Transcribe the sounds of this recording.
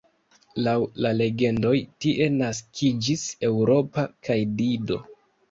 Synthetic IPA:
lawlale̞ɡe̞ndo̞jtiʔe̞naskʰid͡ʒise̞wɾo̞pakajdido̞̰

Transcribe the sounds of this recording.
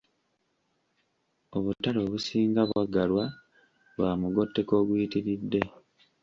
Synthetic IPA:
o̞βutːalo̞ːβusiːŋɡaβwaɡalwa | βwaːmuɡo̞tːe̞ko̞ːɡuitiɾidːe̞

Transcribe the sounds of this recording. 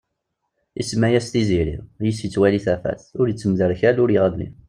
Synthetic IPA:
ḭsmæjæst̪iziɾḭjəsit͡sːwæliθæfæ̰θʊɾjət͡sːəmðəɾçælʊɾjəʁæðnḭ

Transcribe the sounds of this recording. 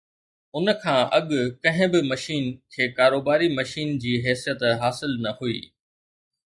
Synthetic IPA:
ʊnkʰãːʔɐɠkɐ̃ɦɪ̃bɪmɐʃiːnkʰeːkaːɾoːbaːɾimɐʃiːnd͡ʑiːɦɛːsijət̪ɦaːsɪlnɐhuḭː

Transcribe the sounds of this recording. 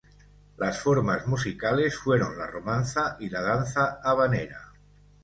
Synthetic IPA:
lasfoɾmazmusikale̞sfwe̞ɾo̞nlaromãnθaʔilað̞an̟θaːβ̞aneɾa

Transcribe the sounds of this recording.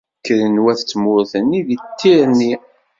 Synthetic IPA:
kːəɾənwæθt͡sːmʊɾθənːiðit̪ːiɾni

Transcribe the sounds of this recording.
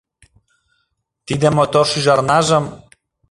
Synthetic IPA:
t̪id̪emot̪orʃyʒɑrnɑʒə̆m

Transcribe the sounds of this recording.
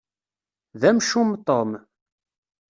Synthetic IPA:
ðæmʃumt̪ˤːom

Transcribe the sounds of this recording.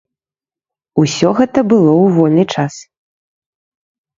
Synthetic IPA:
usʲɔɣɛt̪ɐbɨlˠɔwvɔlʲnɨt͡ʂas

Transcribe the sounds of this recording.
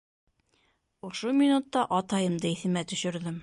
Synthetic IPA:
ŏʃomʲinut̪ːɑʔɑt̪ɑjɤ̆md̪ɤiθɘ̆mæt̪ɵ̆ʃɵ̆ɾðɘm

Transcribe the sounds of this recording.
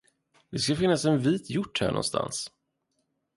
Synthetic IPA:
d̪ɛskafɪnːasɛnviːt̪ʰjʊʈːhæ̰ːɳɔ̰nst̪ʰa̰ns

